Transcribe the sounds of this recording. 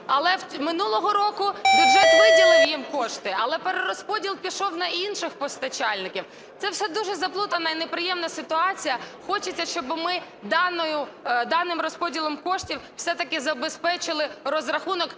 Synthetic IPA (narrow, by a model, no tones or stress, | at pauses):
ɐlˠɛwmɪnulˠɔɦɔɾɔkʊjuʒɛʋɪdʲilˠɪjjimkɔʃt̪ɪɐlˠɛpeɾeɾɔspɔdʲilˠpʲiʃɔwnɐinʃɪxpɔst̪ɐt͡ʃɑlʲnɪkʲiw | t̪sɛwsɛd̪uʒɛzɐplˠut̪ɐnɐinepɾɪjɛmnɐsɪt̪ʊɑt͡sʲijɐxɔt͡ʃɪt͡sʲːɐʃt͡ʃɔbmɪ | d̪ɑnɔjʊd̪ɑnɪmɾɔspɔdʲilˠɔmkɔʃtʲiwwsɛt̪ɐkɪzɐbespɛt͡ʃɪlˠɪɾɔzɾɐxunɔk